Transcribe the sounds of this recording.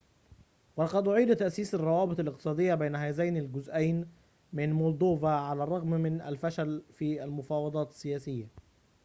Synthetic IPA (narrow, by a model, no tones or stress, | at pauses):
wɑlɑqɑd̪ʔʊʕiːd̪t̪aʔsiːsɑrˤːɑwɑːbɪt̪ˤɑlɪq̚t̪ɨ̥sˤɑːd̪ɪjːabajnæɦaːzajnɪlɡʊzʔajn | mɪnmʊld̪ˤuːvaʕalæːrˤːɑɣmmɪnæ̰lfæʃælfiːælmʊfɑːwɑd̪ˤɑːt̪ɪ̥sːɪjæːsɪjːa